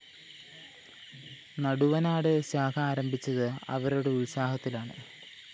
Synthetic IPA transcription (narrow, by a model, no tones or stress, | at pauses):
nɐɽuʋɐnaːɽɨɕaːkʰɐaːɾɐmbʱit͡ɕːɐðɨɐ̰ʋɐɾoɽeuɭsaːɦɐt̪ːilaːɳɨ̰